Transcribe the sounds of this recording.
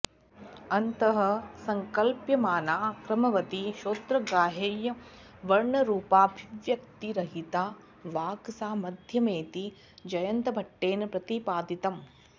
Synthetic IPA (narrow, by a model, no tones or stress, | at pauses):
ɐnt̪ɐɦɐ̆sɐŋkɐlpjɐmaːnaːkɾɐmɐʋɐt̪iʃoːt̪ɾɐɡaːɦejɐ | ʋɐɾɳɐɾuːpaːbʱiʋjɐkt̪iɾɐɦit̪aː | ʋaːksaːmɐd̪ʱjɐmeːt̪i | d͡ʒɐjɐnt̪ɐbʱɐʈːeːnɐpɾɐt̪ipaːd̪it̪ɐm